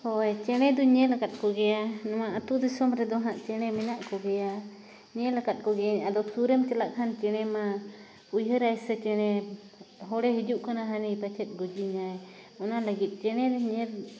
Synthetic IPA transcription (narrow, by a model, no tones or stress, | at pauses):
hɔjt͡ʃɛɽ̃ɛd̪ɔɲɛlakat̪̚kɔɡɛjanɔmaʔat̪ud̪isɔmɾɛd̪ɔɦaʔt͡ʃɛɽ̃ɛmɛnaʔkɔɡɛja | ɲɛlakat̪̚ˀkɔɡɛjaɲad̪ɔsuɾemt͡ʃɛlaʔkʰant͡ʃɛɽ̃ɛma | ujɦəɾajsɛt͡ʃɛɽ̃ɛ | ɦɔɽɛɦid͡ʒuʔkanaɦanijpat͡ʃʰɛt̪̚ˀɡud͡ʒiɲajɔnalaɡit̪̚ˀt͡ʃɛɽ̃ɛɾɛɲɛɾ